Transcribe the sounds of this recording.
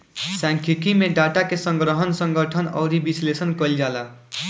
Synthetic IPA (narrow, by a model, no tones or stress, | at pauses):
sãŋkʰikʰimeɖaʈakesə̃ŋɡɾəɦənsə̃ŋɡəʈʰənʌ̰ʊɾibislesənkəld͡ʒala